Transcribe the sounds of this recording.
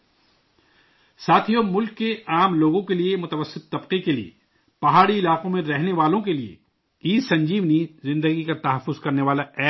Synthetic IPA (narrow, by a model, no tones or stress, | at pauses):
saːt̪ʰijomʊlkːeaːmloːɡõkeliemʊt̪əʋəsːɪt̪ːɐbqekeliḛ | pɐɦaːɽiɪlaːqõmẽɾɛɦneʋaːlõkeliḛ | iːd̪sɐ̃ɲd͡ʒiːʋnizɪ̃nd̪əɡikat̪ɐɦəfːʊzkɐɾneʋaːlaɛː